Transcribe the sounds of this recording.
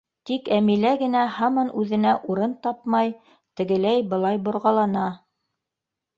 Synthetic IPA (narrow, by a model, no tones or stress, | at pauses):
t̪ikæmilæɡɘ̆næhɑmɑnʔʉðɘ̆næʔuɾɤnt̪ɑp̚mɑj | t̪ɘ̆ɡɘ̆læjbɤ̆lˠɑjbŏɾʁɑlˠɑnɑ